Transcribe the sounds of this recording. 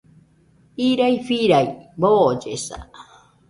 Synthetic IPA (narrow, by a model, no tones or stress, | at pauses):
iɾaifiɾaibod͡ʒḛsa̰